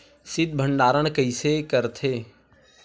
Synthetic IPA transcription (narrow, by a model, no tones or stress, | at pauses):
sɪd̪̚bʱəɳɖaːɾənkəisekəɾt̪ʰeː